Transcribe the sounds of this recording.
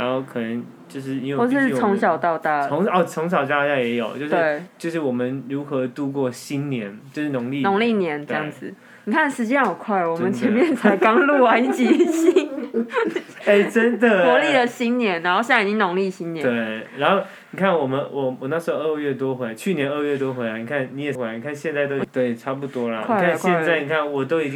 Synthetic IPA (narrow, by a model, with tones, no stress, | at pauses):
ɻa˧˦nxo˥˩ʊkʰɤ˨˩nə˧˦n | t͡ɕjo˥˧ʊʂɻ̩˥˩i˧˦˥wə˩˨˩ʂɻ̩˥t͡sʰʊ˧˥ŋɕ̬ɑ˨˩ʊt̪ɑ˥˧ʊt̪a˥˩o˧˦ŋɔ˥˩t͡sʰʊ˧˥ŋɕ̬ɑ˨˩ʊt͡ɕja˥t͡ɕja˥jɛ˧˥jo̰˨˩ʊt͡ɕjo˥˧ʊʂw̩˥e˧˩ɪt͡ɕjo˥˧ʊʂɻ̩˥˩wɔ˨˩mə˨˦nɻu˧˥xɤ˧˦t̪u˥˧k̬wɔ˥˩ɕi˦˥nnjɛ˧˦nt͡ɕt͡ɕjo˥˧ʂɻ̩˥˩nʊ˨˧˦ŋli˥˨nʊ˧˦ŋli˥˩njɛ˧˦nʈ͡ʂə˥˧jɑ˥˩ŋd͡zɹ̩˨˩ | ni˨˩kʰa˥˩nʂɻ̩˧˥t͡ɕjɛ˥nɑ˨˩ʊkʰwa˥˩ɪ˨˩wɔ˨˧˩mə˨nt͡ɕʰjɛ˧˦mjɛ˥˨nt͡sʰa˧˥ɪkɑ˥ŋlu˥˩wa˥˧t͡ɕi˨˥ɕi˥ŋ | e˥˩ɪʈ͡ʂə˦nd̪ə˨ɔ˧˥˦li˥˩d̪ə˨ɕi˥nnjɛ˧˥nɻa˧˦nxo˥˧ʊɕa˥˩˨i˨˩t͡ɕi˥ŋnʊ˧˥ŋli˥˩ɕi˥njɛ˨˧we˥˩ɪa˧˥nxo˥˩ʊ | ni˨˩kʰa˥˩nwɔ˨˩mə˦nwʔɔ˨˩wɔ˨˩na˥˩ʂo˧˥o˧˩ʔə˥˧ɥɛ˥˩t̪wɔ˥xwe˧˥la˧˦ɪt͡ɕʰy˥˩njɛ˨˧˦nə˥˧ɥɛ˥˩t̪̬wo˥xwe˧˥la˧ɪni˨˩kʰa˥˩nni˧˥jɛ˨˩xwe˧˩a˧˦ni˨kʰa˥˧nɕjɛ˥˧nt͡sa˥˧ɪt̪o˥ʊt̪we˥˩ɪʈ͡ʂʰa˥pu˥˩t̪wɔ˥lə˨kniwa˥˩˨kʰa˥˧˨kɕjɛ˥˧nt͡sa˥˩ɪni˨˩kʰa˥˩nwɔ˨˩t̪o˥ʊi˨˩t͡ɕĩ˦